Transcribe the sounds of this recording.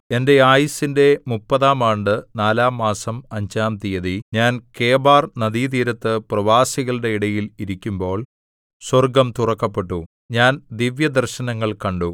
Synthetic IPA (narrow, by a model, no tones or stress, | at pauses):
e̞nde̞aːjisinde̞mupːɐðaːmaːɳɖɨnaːlaːmːaːsɐmɐɲd͡ʑaːmt̪ijɐðiɲaːnke̞ːbaːrnɐðiːt̪iːɾɐt̪ːɨprɐʋaːsiɣɐɭɨɽe̞iɽɐjiliɾikʲːumbo̞ːɭ | swɐrɡɐmt̪urɐkːɐpːe̞ʈːu | ɲaːnd̪iʋjɐd̪ɐrɕɐnɐŋːɐɭkɐɳɖu